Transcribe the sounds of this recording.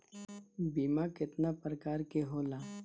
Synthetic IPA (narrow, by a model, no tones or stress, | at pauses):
biːmaːkɪt̪napɾəkaːɾkeɦoːlaː